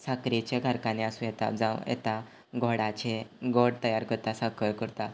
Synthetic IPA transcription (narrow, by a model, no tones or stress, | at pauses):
sakɾit͡ɕeɡʱaɾkaneasũːjɛt̪a̰d͡zãwjɛ̰t̪a | ɡʱoɽat͡ɕeɡoɽt̪əjaɾkəɾt̪asakəɭkəɾt̪a